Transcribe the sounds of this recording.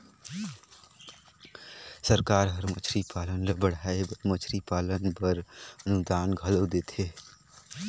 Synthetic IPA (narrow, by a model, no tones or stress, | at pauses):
səɾkaːɾɦɐɾmət͡ʃʰɾipaːlənbəɽ̤aːebəɾmət͡ʃʰɾipaːlənpɐɾənʊkd̪aːnɡʱɐlod̪eːt̪ʰeː